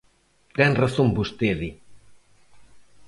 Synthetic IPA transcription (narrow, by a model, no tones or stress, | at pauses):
t̪ɛnraθombust̪eði